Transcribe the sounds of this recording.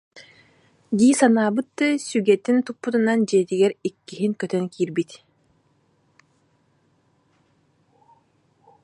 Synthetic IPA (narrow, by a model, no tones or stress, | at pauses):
ɡ̪iːsanaːbɯt̪ːɯsyɡɛt̪ːint̪upːut̪unand͡ʒɛːt̪iɡɛɾikːiɦiŋkœt̪œŋkʰiːɾbit̪